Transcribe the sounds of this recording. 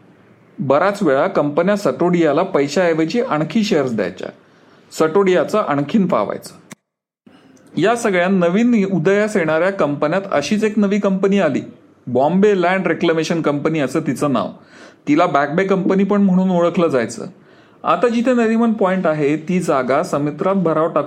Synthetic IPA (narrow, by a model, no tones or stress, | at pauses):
bəɾat͡sʋeɭakəmpənjasəʈoɽijalapəjɕaeʋət͡ɕiːʔəɳ̃kʰiːɕejəɾsd̪ja̰jt͡ɕja̰ | səʈoɽijat͡səʔəɳ̃kʰiːnfa̰ʋa̰jt͡sə̥ː | jasəɡɭjanəʋiːnud̪əjaseɽ̃aɾjakəmpənjat̪ə̰ɕiːt͡seknəʋiːkəmpəniːalḭː | bɔ̃mbelæ̃ɳɖɾekləmeɕənkəmpəniːəsəːt̪it͡səːna̰ʋt̪ilabæk̚bekəmpəniːpəɳm̤əɽ̃uːnoɭəkʰləːd͡zajt͡sə̰ː | a̰t̪ad͡ʑit̪ʰenəd̪imənpɔiɳʈaɦet̪iːd͡zaɡasəmet̪ɾat̪̚bʱəɾaʋʈat̪